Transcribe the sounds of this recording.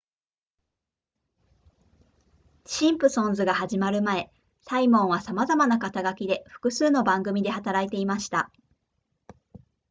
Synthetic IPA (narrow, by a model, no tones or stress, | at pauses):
ɕĩmpɯ̟sõ̞nzɨɡahaʑimaɾɯ̟mae̞ | saimõ̞ɰ̃β̞asamazamanakat̪aɡakʲid̪e̞ɸɯ̟̥kɯ̟sɨːno̞bãŋɡɯ̟mʲid̪e̞hat̪aɾait̪e̞imaɕi̥t̪a